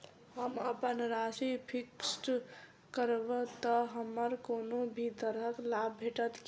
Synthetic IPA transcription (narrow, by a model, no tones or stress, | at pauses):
ɦəməpənɾasipʰiksʈ | kəɾbət̪əɦəmːəɾkoːnobʱid̪əɾɦəklabːʱeʈət̪k